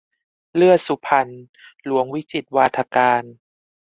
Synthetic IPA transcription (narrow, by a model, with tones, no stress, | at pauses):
lɯ˥˩əsu˧˦pʰa˧n | lu˩˦əŋwi˦˥t͡ɕi˨˩t̪̚waː˧t̪ʰa˧kaː˧n